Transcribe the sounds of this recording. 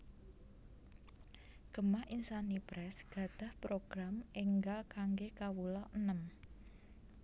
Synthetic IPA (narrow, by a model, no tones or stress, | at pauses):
ɡ̥əmaʔinsanipɾɛsɡ̥ä̤d̪̥a̤hpɾoɡ̥ɾameŋɡalkaŋɡekawulɔʔənəm